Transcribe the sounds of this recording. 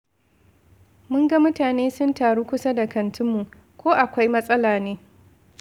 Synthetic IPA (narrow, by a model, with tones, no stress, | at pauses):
mʊ˦ŋɡɐ˦mʊ˦taː˨neː˦sʊ˦ntaː˨ɽuː˦kʷʊ˦sɐ˦da˨kɐ˨ntʰʊ˦mːu˨ | kʷoː˦ʔa˨kʷa˦jmɐ˦sʼɐ˦laː˨neː˦